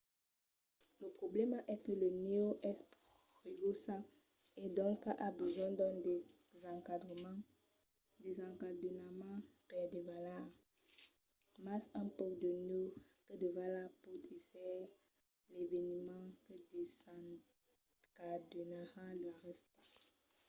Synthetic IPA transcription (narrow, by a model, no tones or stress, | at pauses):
ləpχoblɛmʔɛkələneoʔɛsp | ʁeɡosã | ed̪ɔ̃ŋkaʔabəzwɛ̃d̪ɔ̃d̪ | zãkadʁəm | d̪ezãkdnamãpɛdevala | masɛ̃pɔkd̪əneokəd̪əvalaput̪esɛ | levenimɑ̃kəde | kadonahadəlaʁɛst̪a